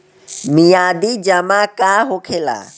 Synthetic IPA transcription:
mijaːd̪iːd͡ʒəmaːkaːɦoːkʰeːla̰ː

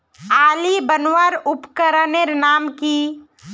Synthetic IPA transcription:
aːlibənwaɾʊpkəɾəneɾnaːmki

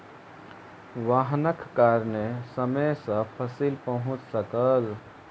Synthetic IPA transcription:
ʋaɦnəkʰkaɾnesəməjsə̃pʰəsilpəɦʊ̃t͡ʃsəkəl

